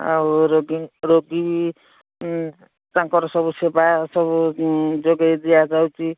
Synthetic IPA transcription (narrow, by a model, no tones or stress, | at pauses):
a̰ɾoɡiŋɾoɡibi | t͡sãŋkɔɾɔsɔbusebasʌbud͡zoɡajd̪ijad͡zawt͡si